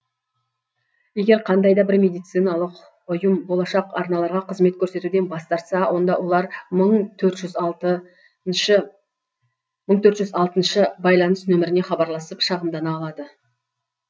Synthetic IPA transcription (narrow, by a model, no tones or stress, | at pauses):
je̞ɡʲe̞ɾqʰɑnd̪ɑjd̪ɑbɪɾmʲe̞d̪ijt̪sɨjnɑlˠəq | ʊjəmbo̞lˠɑʃɑqɑ̰ɾnɑlˠɑɾʁɑqʰəzme̞t̪̚kʲʰɵɾse̞t̪ud̪e̞nbɑst̪ɑɾt̪sɑwʔo̞nd̪ɑwʔo̞lˠɑɾməɴt̪ʰɵɾt̪ʒʏz | məɴt̪ʰɵɾt̪ʒʏzɑlˠt̪ənʃəbɑjlˠɑnəsnɵmɪɾɪne̞χɑbɑɾlˠɑsəpʃɑʁəmd̪ɑnɑːlˠɑd̪ə